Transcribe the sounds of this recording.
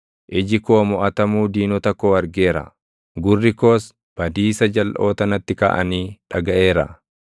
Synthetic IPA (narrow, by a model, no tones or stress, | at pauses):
ʔɪd͡ʒɪkoːmɔʔɐt̪ɐmuːd̪iːnɔt̪ɐkːoːɐɾɡe̞ːɾɐ̰ | ɡʊrːɪkoːs | b̥ɐd̪iːsɐd͡ʒɐlʔoːt̪ɐnɐt̪ːɪka̰ːʔɐniːᶑɐɡɐʔe̞ːɾɐ̰